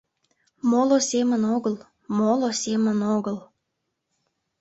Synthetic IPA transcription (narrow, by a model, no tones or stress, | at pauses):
molosemənoɣəl | molosemənoɣəl